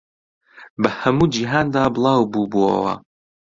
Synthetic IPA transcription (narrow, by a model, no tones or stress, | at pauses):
bɐhɐmuːd͡ʒiːɦaːnd̪aːbɨlˠɑːwbuːbuɐ̰wɐ̰